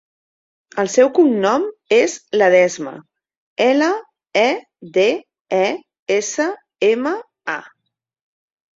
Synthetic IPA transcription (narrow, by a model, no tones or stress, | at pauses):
əlˠsɛwkumnɔmezləðɛzmə̰ | ɛlə | ɛ | d̪e | ɛ | esə | emə | a